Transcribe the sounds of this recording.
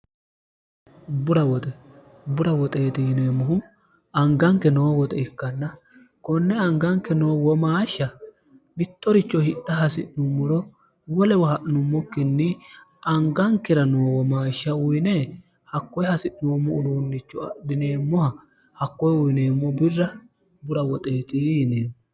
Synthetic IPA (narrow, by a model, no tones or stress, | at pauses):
bʊɾɐwɔt̪ʼɛ | bʊɾɐwɔt̪ʼeːt̪iːneːmːʊhʊ | ɐŋɡɐŋkːɛnowwɔt̪ʼɛɪkːɐnːɐ | kɔnːɛɐŋɡɐŋkːɛnoːwɔmaːʃːɐ | bɪt̪ːɔɾɪt͡ʃːɔhɪᶑɐɦɐsɪʔnʊmːʊɾɔ | wɔlɛwɐɦɐʔnʊmːɔkːɪnːɪ | ʔɐŋɡɐŋkːɛɾɐnoːwɔmaːʃːɐʊjne | hɐkːɔjhɐsɪnoːmːʊʊɾunːɪt͡ʃːɔɐd̪ɪne̞ːmːɔhɐ | hɐkːɔjʊjneːmːɔbɪrːɐ | bʊɾɐwɔt̪ʼe̞ːt̪ineːmːɔ